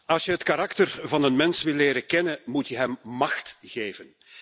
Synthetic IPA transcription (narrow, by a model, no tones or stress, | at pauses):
ɑlˠsjəɦətkaɾɑktərvɑnənmɛnsʋɪlːeːɾəkɛnəmutjəɦɛmmɑxtɣeːvən